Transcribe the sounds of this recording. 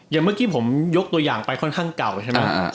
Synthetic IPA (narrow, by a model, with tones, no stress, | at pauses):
ja˨˩ŋmɯ˥˩kiː˧˥˩pʰo˩˦mjo˦˥k̚t̪u˧əjaː˨˩ŋpa˧jkʰɔ˥˩nkʰaː˥˩ŋka˨˩wt͡ɕʰa˥˩ma˦˥˧